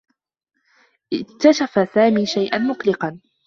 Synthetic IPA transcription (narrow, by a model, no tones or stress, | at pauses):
ʔɪk̚t̪aʃafasaːmiːʃajʔanmʊqlɪqɑn